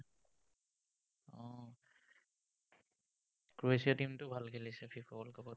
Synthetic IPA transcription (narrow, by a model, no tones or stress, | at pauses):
ɔ̃ | kɹuesiatimtʊbʱalkʰelisɛpʰipʰɔɔlkabɔ